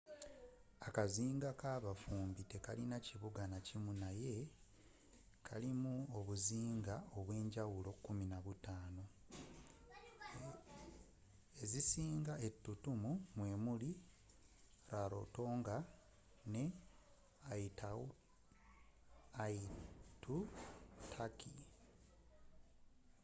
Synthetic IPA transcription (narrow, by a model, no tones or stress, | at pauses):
akaziːŋɡakaːβafuːmbite̞kalinaciβuɡanacimunaje̞ | kʰalimuoβuziːŋɡao̞βwe̞ːɲɟawulo̞kːuminaβutaːno̞ | ezisiːŋɡae̞tːutumumwe̞ːmuli | ɾaɾo̞̰to̞ːŋɡa | ne̞ | aita | itutʰaki